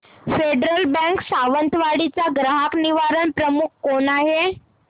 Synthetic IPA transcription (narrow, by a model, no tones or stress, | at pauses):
feɖɾəlbə̃ŋksaʋənt̪ʋaɽit͡saɡɾəɦakniʋaɾəɳpɾəmukʰkonaɦe